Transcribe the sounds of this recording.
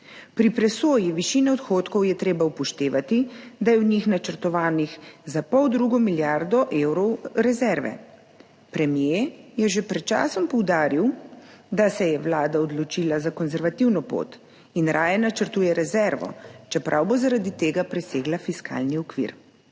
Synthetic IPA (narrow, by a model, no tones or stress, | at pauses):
pɾipɾɛsoːjiʋiʃiːnɛɔt̪xoːt̪kɔwjɛt̪ɾeːbaupɔʃt̪eːʋat̪id̪ajɛwɲixnat͡ʃəɾt̪ɔʋaːnixzapɔwd̪ɾuɡɔmiljaɾd̪ɔʔeːwɾɔwɾɛzɛɾʋɛ̰ | pɾɛmjejɛʒepɾɛt̪̚t͡ʃa̰ːsɔmpɔwd̪aːɾiwd̪asɛjɛʋlaːd̪aɔd̪lɔt͡ʃiːlazakɔnzɛɾʋat̪iwnɔpo̰t̪ | inɾʔaːjɛnat͡ʃəɾt̪uːjɛɾɛzɛɾʋɔ̰t͡ʃɛpɾʔawbozaɾad̪it̪eːɡapɾɛseːɡlafiska̰ːlniɔkʋḭɾ